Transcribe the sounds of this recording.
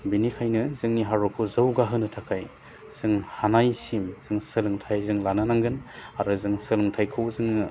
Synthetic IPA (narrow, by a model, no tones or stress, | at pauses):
binikʰajnɯzɯŋniɦaɾɔkʰɯzɯwɡaɦɯnɯtʰakʰaj | z̥ɯŋhanajsimz̥ɯŋsɯlɯŋtʰajzɯŋlanɯnaŋɡɯnaɾɯzɯŋsɯlɯŋtʰajkʰɯwzɯŋ